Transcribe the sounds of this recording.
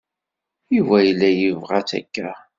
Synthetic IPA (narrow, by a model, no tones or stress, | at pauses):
jivæjəlːæjəvʁat͡sæ̰kːæ